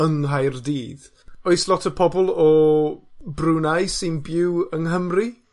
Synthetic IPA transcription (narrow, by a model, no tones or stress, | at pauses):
əŋɦajrdiːð | oɨslˠɔtʰəpʰɔbɔlˠɔ | brunajsɪnbɪwəŋɦəmri